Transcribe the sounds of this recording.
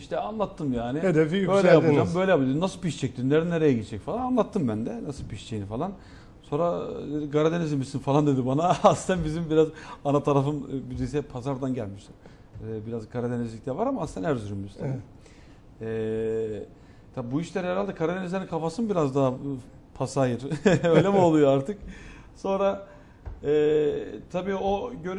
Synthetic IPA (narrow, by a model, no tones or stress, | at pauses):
iʃt̪ʰɛanlˠat̪ʰːɯmjaːnɪed̪efijybø̞jlʲɛjjap̪d͡ʒambø̞jlʲɛjapɯld͡ʒd̪nasɯlˠpiʃt͡ʃʰɛc̚t̪ʰinːeɾinːeɾejɛɟilʲɛd͡ʒɛcfalˠananlˠat̪ʰːɯmbænd̪ɛnasɯlˠpʰiʃt͡ʃʰejnifalˠan | so̞ːnɾad̪ed̪iɡaɾad̪enezʲimisinfalˠand̪e̞d̪ibanaast̪ænbizimbiɾazanat̪ʰaɾafɯnbyzis̬ɛpʰazaɾd̪anɟælʲmiʃt̪ʰin | biɾazkʰaɾad̪enizlʲict̪ʰɛvaɾamaast̪ænæɾzyɾymːyzt̪ʰabi | ɛ | t̪ʰabuiʃlʲeɾɛɾalʲd̪ɛkʰaɾad̪enɛzʲenikʰafasɯnbiɾazd̪aɦ | pʰasajɯɾø̞jjlʲemio̞lˠujoaɾt̪ʰɯk | so̞nɾa | ɛt̪ʰabiːoɟøɾ